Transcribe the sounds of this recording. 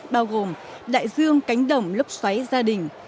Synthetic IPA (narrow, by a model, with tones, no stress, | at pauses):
ɓaː˧wɣo˨˩m | ɗa̰ː˧˨jzɨ˧əŋka˨˦jŋ̟ɗə˧˩wŋ͡mlʊ˦˥k͡p̚swa˨˦jzaː˧ɗï˨˩ŋ̟